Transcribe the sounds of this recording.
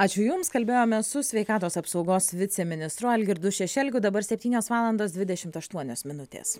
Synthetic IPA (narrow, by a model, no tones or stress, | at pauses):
ɑːt͡ʃʲʊjʊmskɐlʲbʲeːjoːmʲɛsʊsʲʋʲɛɪkɑːt̪oːsɐpsɒʊɡoːsʋʲɪt̪sʲɛmʲɪnʲɪst̪ɾʊɐlʲɡʲɪɾd̪ʊʃʲɛʃʲɛlʲɡʲʊd̪ɐbɐɾsʲɛpʲt̪ʲiːnʲoːsʋɑːlˠɐnd̪oːsd̪ʋʲɪd̪ʲɛʃʲɪmt̪ɐʃt̪uɔnʲoːsmʲɪnʊt̪ʲḛːs